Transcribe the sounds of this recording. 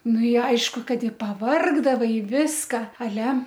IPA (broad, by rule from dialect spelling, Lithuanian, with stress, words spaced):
ˈnʊ ɪ ˈɐɪʃkʊ ˈkɐt ɪ pɐˈʋɐrɡdɐʋɐɪ ˈʋʲɪskɐ ɐˈlʲɛ